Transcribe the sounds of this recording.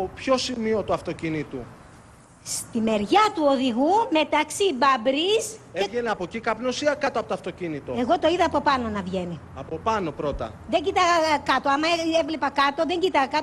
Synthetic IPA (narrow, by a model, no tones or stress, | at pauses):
opço̞simio̞t̪uɐft̪o̞cinit̪u | st̪ime̞ɾʝɐt̪uo̞ðiɣume̞t̪ɐksibɐbɾiseʝeneɐpo̞cikɐpnosiɐkɐt̪oɐpot̪ɐft̪o̞cinit̪o̞e̞ɣo̞t̪o̞iðɐːpo̞pɐno̞nɐvʝe̞ni | ɐpo̞pɐno̞pɾo̞t̪ɐ̰ðe̞ɲɟit̪ɐɣɐkɐt̪oɐmɐeevlepɐkɐt̪o̞ðe̞ɲɟit̪ɐɣɐkɐt̪o